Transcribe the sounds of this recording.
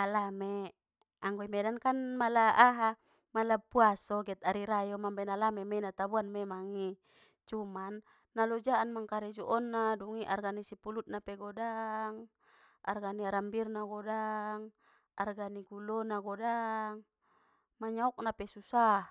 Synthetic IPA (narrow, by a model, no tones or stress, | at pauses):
alame | aŋɡoimɛdankanmalaaɦa | malapuasɔɡɛt̪̚aɾiɾajomambanalamemɛnat̪abuanmemaŋi | t͡ʃumanː | alɔd͡ʒaanmaŋkaɾɛd͡ʒuʔɔnːaduŋiʔarɡanisipulut̪̚napeɡɔdaŋ | ʔa̰rɡaniaɾambirnaɡɔdaŋ | a̰rɡaniɡulɔnaɡɔdaŋ | maɲaɔk̚napesusah